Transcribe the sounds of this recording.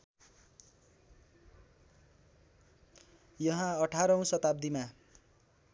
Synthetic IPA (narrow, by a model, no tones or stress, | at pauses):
jʌɦãʌʈʰaɾʌũsʌt̪ab̚d̪ima